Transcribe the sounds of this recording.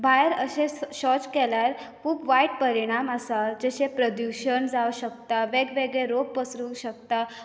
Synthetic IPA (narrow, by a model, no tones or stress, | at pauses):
bʱajeɾəɕẽɕɔt͡skɛljaɾ | kʰuːbʋaiʈpəɾiɽ̃amasad͡ʑeɕepɾəd̪juɕəɳd͡zaʋɕək̚t̪aʋeɡʋeɡɭeɾoɡpəsɾuwɕək̚t̪a